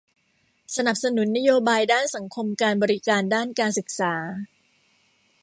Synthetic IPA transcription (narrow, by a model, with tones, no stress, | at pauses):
sa˧na˨˩p̚sa˧nu˩˦nːa˦˥joː˧baː˧jdaː˥˩nsa˩˦ŋkʰo˧mkaː˧nbɔː˧ɾi˦kaː˧ndaː˥˩nkaː˧nsɯ˨˩k̚saː˩˦